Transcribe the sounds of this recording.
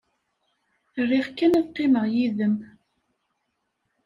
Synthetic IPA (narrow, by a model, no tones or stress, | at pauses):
rːiʁkːænæðqːeməʁjiðəm